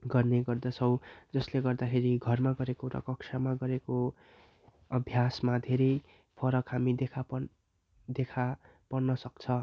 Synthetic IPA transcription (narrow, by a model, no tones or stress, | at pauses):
ɡʌrneɡʌrd̪ʌt͡sʰʌw̃d͡zʌsleɡʌrd̪akʰeɾiɡʱʌrmaɡʌɾekoɾʌ̰kʌksʰamaɡʌɾeko | ʌbʱjasmad̪ʱeɾʌj | pʰʌɾʌkɦamid̪ekʰap | d̪ekʰa | pʌrnʌsʌk̚t͡sʰʌ